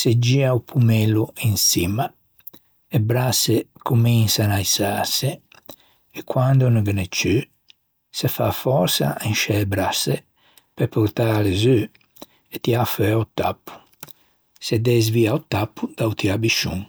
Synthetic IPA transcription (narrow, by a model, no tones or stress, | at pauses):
sed͡ʒiaupʰumɛluinsima | ebɾasekʰuminsanajsase | ekwand̪unəɡənet͡ʃy | sefa̰fɔɾsa̰inʃɛebɾase | pepuɾt̪alezø | et̪iafɛut̪ːa̰pʰːu̥ | sed̪ɛz̬viːaut̪ːapːud̪̥awt̪iabiʃṵŋ